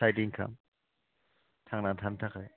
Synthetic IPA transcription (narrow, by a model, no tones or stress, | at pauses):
ajdiŋkʰa̰m | tʰaŋnatʰamtʰakɯj